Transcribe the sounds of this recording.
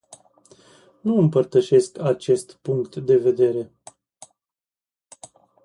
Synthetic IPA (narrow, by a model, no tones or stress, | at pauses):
nuɨmpərt̪əʃe̞skat͡ʃe̞st̪puŋkt̪d̪e̞ve̞d̪e̞ɾe̞